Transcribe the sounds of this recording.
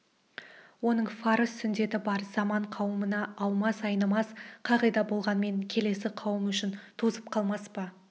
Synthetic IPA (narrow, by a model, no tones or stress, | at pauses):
wo̞nəɴfɑɾəsːʏnd̪e̞t̪ɪbɑɾz̥ɑmɑɴqʰɑwəmənɑːwˠmɑsɑjnɑmɑsqʰɑʁəjd̪ɑbo̞lˠʁɑnme̞ŋkʲʰe̞le̞sɪqʰɑwəmʏʃɪnt̪ʰuzəp̚qʰɑlˠmɑspɑ